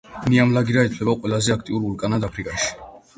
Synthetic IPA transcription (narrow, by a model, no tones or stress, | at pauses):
niamlaɡiɾait̪ʰlɛbaqʼwɛlazɛak̚ʰt̪ʼiuɾulkʼanad̪apʰɾikʼaʃi̥